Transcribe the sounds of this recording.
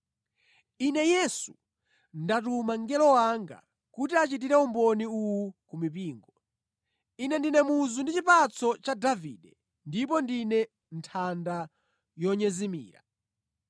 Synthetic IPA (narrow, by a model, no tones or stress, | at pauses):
inɛjɛsu | ndatumaŋɡɛlɔwaŋɡa̰ | kutiat͡ʃit̬iɾɛumbɔniuwukumipiːŋɡɔ | inɛndinɛmuzundit͡ʃipat͡sʰɔt͡ʃadavḭːɗɛ | ndipɔndinɛ | ntʰanda | jɔɲɛzimḭːɾa̰